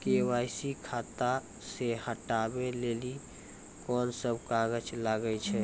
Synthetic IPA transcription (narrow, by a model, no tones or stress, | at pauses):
kewaːɪsikʰat̪a | sehəʈabeleli | kɔːnsəbʱkaɡəd͡ʒlaɡət͡ʃʰɛ